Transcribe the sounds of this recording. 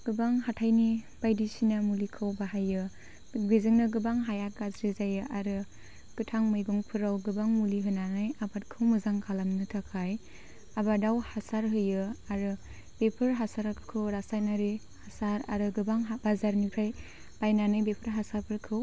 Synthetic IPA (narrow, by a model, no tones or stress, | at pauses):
ɡ̥ɯbaŋɦatʰajni | b̥ajdisinamulikʰawbaɦajɯ | ɡizɯŋnɯɡɯbaŋɦajakazɾizajɯʔaɾɯ | kɯtʰaŋmɯjɡuŋpʰɯɾawɡɯbaŋmuliɦɯnanɯjabʰat̚kʰɯwmɯzaŋkʰalamnɯtʰakʰaj | abadawhasaɾɦɯjɯaɾɯ | bepʰɯɾɦasaɾakʰɯ̥kʰɯwɾasajnaɾi | hasaɾa̰ɾɯɡɯbaŋɦbazaɾnikʰɾaj | b̥ajnanɯjbepʰɯɾɦasapʰɯɾkʰɯw